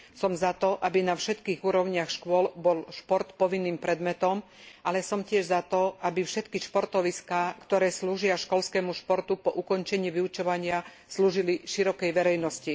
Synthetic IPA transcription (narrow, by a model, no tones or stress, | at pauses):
sɔmzat̪ɔʔabinafʃɛt̪kiːɣuːɾɔʊɲɪaxʃkʊɔlbɔlʃpɔɾt̪pɔʋinːiːmpɾɛd̪mɛt̪ɔm | ʔalɛsɔmcɪɛʒzat̪ɔʔabifʃɛt̪kiʃpɔɾt̪ɔʋiskaːkt̪ɔɾɛːsluːʒɪaʃkɔlskɛːmuʃpɔɾt̪upɔʔukɔnt͡ʃɛɲiːʋiut͡ʃɔʋaɲɪa | sluːʒiliʃiɾɔkɛjʋɛɾɛjnɔsci